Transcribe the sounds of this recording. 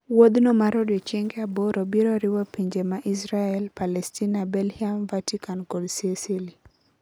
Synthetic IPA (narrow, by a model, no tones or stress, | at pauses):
wod̪nomaɾɔdiɔt͡ʃɛŋɡɛabɔɾobiɾoɾɪwapiɲd͡ʒemaʔisɾaɛlpalɛstinabɛlhiamvatikankɔlsesili